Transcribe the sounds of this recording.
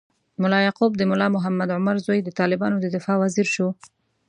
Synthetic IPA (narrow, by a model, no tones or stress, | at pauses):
mʊlɑjɑqub̚d̪əmʊlɑmʊɦamːad̪ʕʊmaɾzojd̪ət̪ɑlɪbɑnod̪əd̪ɪfɑwaziɾʃo